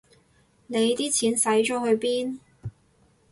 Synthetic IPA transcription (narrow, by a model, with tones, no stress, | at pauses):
ne˨˧jt̪iː˥t͡sʰiː˨˥nsɐ˨˥jt͡ʃɔː˨˥hɵ˧ɥpiː˥n